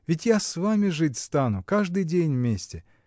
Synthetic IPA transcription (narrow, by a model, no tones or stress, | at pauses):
vʲɪtʲjasvamʲɪʐɨtʲst̪anʊkaʐd̪ɨjdʲenʲvʲmʲesʲtʲɪ